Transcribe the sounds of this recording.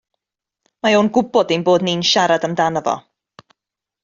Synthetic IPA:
majonɡʊbɔdinboːdninʃaɾadəmdanəvɔ̰

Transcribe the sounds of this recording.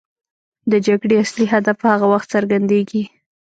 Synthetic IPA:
d̪əd͡ʒaɡɽeasliɦad̪afpəhaɣawaxt̪səɾɡand̪eɡi

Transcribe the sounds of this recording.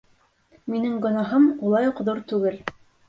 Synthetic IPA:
minɘŋɡŏnɑɦɤmulˠɑjuqðuɾt̪ʉɡɘl

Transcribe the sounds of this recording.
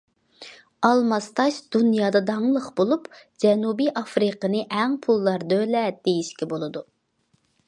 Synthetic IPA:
ɑlˠmɑst̪ɑʃd̪̥unjɑːd̪ɑd̪ɑŋlˠəχbolˠupd͡ʒɛnubiʔɑfɾɨqənɨʔæŋpʰulˠːɑɾd̪ølɛd̪̥ejiʃkʲɛbolˠɨd̪u

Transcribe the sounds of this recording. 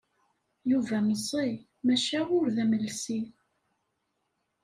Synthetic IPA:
juvæməsˤːi | mæʃæʊɾðæməlsi

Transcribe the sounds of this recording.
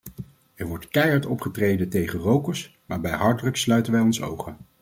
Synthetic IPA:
ɛɹʋɔɹtkɛjɑɹtɔpχətrejdəntejχərowkəɹs | maːɹbɛjɦɑɹdrəkslœɥtənʋɛjɔnso̰wχən

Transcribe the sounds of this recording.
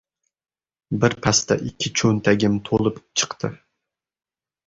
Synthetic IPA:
bɪɾpʰast̪ɛ̰ʔɪkʲʰːɪt͡ʃʰɵnt̪ʰæɡʲɪmt̪ʰolˠɨpt͡ʃʰɨ̥qt̪ʰɨ

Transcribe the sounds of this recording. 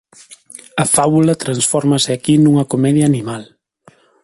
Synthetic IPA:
ɐfaβulɐt̪ɾansfɔɾmasɪakinuŋɐkomɛðjaːnimal

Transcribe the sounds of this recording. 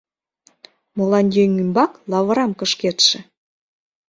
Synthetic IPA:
molɑnʲjʲejŋymbɑklɑβə̆ɾɑmkə̆ʃket̪ʃĕ

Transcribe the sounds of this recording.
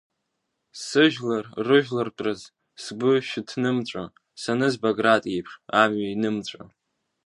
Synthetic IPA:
sɨʒᶣlarrɨʒᶣlartʼrɨz | sɡʷʊʃᶣɪtʰnɨmt͡ɕʷʼa̰ | sanɨzbaɡratʼijpʰʂamɥainɨmt͡ɕʷʼa̰

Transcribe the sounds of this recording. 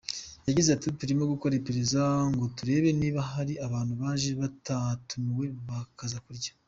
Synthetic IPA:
jaɟizatituɾimo̞ɡuko̞ɾepeɾezaŋɡo̞tuɾe̞ːβe̞niːβaɦaɾiʔaβaːn̥huβaːʒeβatatumiwe̞βakazakuɾɟḁ

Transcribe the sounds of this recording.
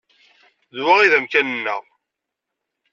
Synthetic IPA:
ðwaʁiðəmkænənːə̰ʁ

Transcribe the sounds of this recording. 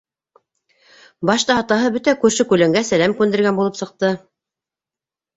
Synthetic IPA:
bɑʃt̪ɑɑt̪ɑɦɤbɵt̪ækʉɾʃɘkʉlæŋɡæsælæmkʉnd̪ɘ̆ɾɡænbulˠɤpsɤ̆q̚t̪ɤ

